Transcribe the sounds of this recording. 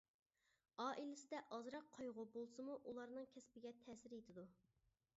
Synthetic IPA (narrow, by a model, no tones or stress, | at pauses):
ɑːʔilɪsɪd̪ɛʔɑzɾɑqʰːɑjʁʊbolˠsɨmuʔulˠɑɾnɨŋkʲʰɛspɪɡʲɛt̪ʰɛːsɪɾjet̪ʰɪd̪u